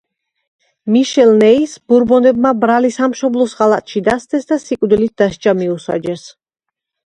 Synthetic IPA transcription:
miʃɛlˠnɛisbuɾbɔnɛbmabɾalisamʃɔblˠɔsʁalˠat̪ʼʃid̪ast̪ɛsd̪asikʼvd̪ilit̪̚d̪̥aʃt͡ʃʼamiusa̰d͡ʒɛs

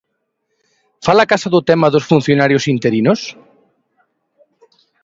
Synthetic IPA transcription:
falakasaðʊt̪ɛmɐðosfun̟θjonaɾjosint̪eɾinos

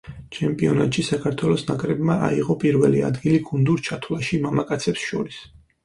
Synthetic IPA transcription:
t͡ʃʰɛmpʼiɔnat̪ʼʃisakʰaɾt̪ʰwɛlˠɔsnakʼɾɛbmaʔa̰iʁɔpʼiɾvɛlia̰d̪ɡiliɡund̪uɾt͡ʃʰat̪ʰwlˠaʃimamakʼat̪sʰɛpsʃɔɾis

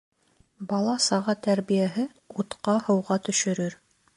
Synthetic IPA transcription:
bɑlˠɑsɑʁɑt̪æɾβijæɦɘ | ut̪qɑhɤ̆wʁɑt̪ɵ̆ʃɵ̆ɾɵɾ

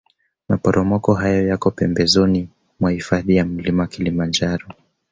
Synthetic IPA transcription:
mapɔɾʔɔmɔkɔɦajɔjakɔpɛmbɛzɔni | mwahifaðijam̩limawakilimand͡ʒaɾɔ

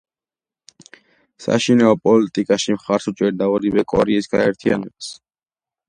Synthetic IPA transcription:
sa̰ʃinaɔpʼɔlit̪ʼikʼaʃimχaɾsut͡ʃʼɛɾd̪aɔɾivɛkʼɔɾɛisɡaɛɾt̪ʰia̰nɛbas

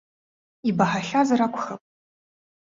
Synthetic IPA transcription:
ibaħaɬazarakʷʰʼχɐpʼ

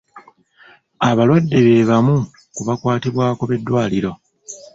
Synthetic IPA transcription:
aβalwadːe̞βe̞ːβamu | kuβakwaːtiβwaːko̞βe̞dːwaːliɾo̞

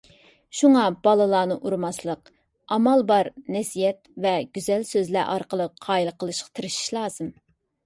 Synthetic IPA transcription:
ʃuŋɑb̥ɑlˠɨlˠɑːnɨʔuɾmɑslˠəq | ɑmɑlˠbɑɾnɛsijɛt̪vɛɡ̥ʲyzɛlsøzlæʔɑɾqəlˠəqʰːɑːilˠəqəlˠɨʃqɑ̥t̪ʰɨɾɨʃi̥ʃlˠɑːz̥ɨm

